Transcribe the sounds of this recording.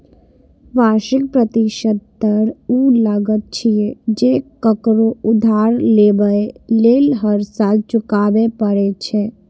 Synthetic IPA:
baʃik̚pɾət̪iʃəd̪̚pəɾuləɡət̪̚t͡ʃʰijed͡ʒekəkɾoud̪ʱaɾlebəelelɦəɾsalt͡ʃʊkabepəɾɛt͡ʃʰɛ

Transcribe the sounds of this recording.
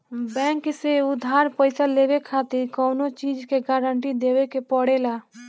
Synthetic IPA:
bɛ̃ːŋkseʊd̪ʱaɾpəɪsalebekʰat̪iɾkəʊnot͡ʃid͡ʒkeɡaɾəɳʈid̪ewekepəɽela

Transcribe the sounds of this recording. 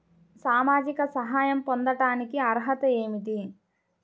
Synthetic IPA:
saːmaːd͡ʒikɐsɐɦaːjɐmpond̪ɐʈaːnikiɐɾɦɐt̪ɐeːmit̪i

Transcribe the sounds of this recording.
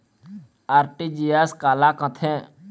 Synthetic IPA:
aːɾʈiːd͡ʒiːaːskaːlaːkə̃t̪ʰẽ

